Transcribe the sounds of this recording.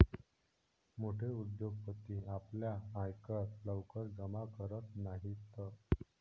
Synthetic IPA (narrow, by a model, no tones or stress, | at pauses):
moʈʰeud̪joɡ̚pət̪ːiapljaajkətləwkəɾɡəmakəɾət̪naɦit̪ːə